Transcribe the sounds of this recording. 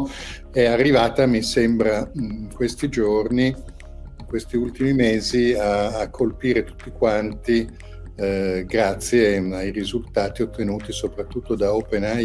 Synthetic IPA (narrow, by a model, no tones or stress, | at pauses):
ɛarːivaːt̪amisembɾakwest̪id͡ʒorni | kwest̪iult̪imimeːziaːkʰːolpiːɾet̪u̥t̪ːikwant̪i | ɡɾat̪sːjeajrizult̪aːt̪iot̪ːenuːt̪isopɾat̪ːut̪ːod̪aopena